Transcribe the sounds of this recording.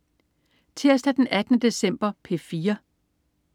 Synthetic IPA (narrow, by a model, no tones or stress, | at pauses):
t͡sʰe̝ɐ̰sd̥æd̥enæd̥nəd̥e̝sem̰b̥ɐpʰe̝fiːɐ